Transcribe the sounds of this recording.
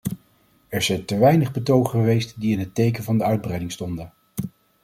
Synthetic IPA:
ɛɹzɛjntəʋɛjnəχbətowχχəʋejstdiɪnɦətejkənvɑndəœɥd̚brɛjdɪŋstɔndən

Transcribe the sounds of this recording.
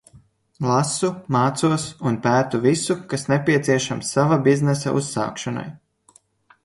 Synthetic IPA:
lˠasumaːt̪suɔsunpæːt̪uvisukasnepʲiɛt̪siɛʃamsːavabiznɛsa̰ʔṵsːa̰ːkʃana̰j

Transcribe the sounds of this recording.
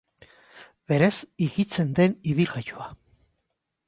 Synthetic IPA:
be̞ɾesiɣit͡se̞nd̪e̞niβilɣajua

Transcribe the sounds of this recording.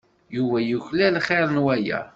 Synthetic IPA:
juvæjuçlælχeɾˤnwæjæ̰

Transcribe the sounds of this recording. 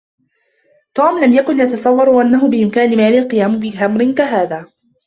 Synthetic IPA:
t̪uːmlamjakʊnjat̪ɑsˤɑwːɑɾˤwaʔanːaɦʊbɪʔɪmkaːnɪmaːlɪlqɨjaːmʊbɪɦamɾɪnkaɦaːðaː

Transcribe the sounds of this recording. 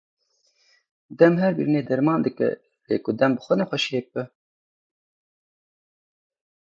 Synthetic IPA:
d̪ɛmɦɛɾbḭɾineːd̪ɛɾmɑːnd̪ɨkɛ̰ | lḛːkʊd̪ɛmbɨxʷɛnɛxʷɛʃjeːp̚ɨ

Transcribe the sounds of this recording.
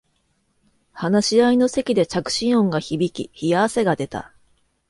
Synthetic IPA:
hanaɕiaino̞se̞kʲid̪e̞t͡ɕakɯ̟̥ɕĩɰ̃õ̞ŋɡaçibʲikʲḭçiaase̞ɡad̪e̞t̪a̰

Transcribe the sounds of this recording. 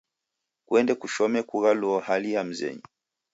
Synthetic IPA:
kwɛndɛkuʃɔmɛkuɣaluɔhalijam̩zɛ̰ɲi

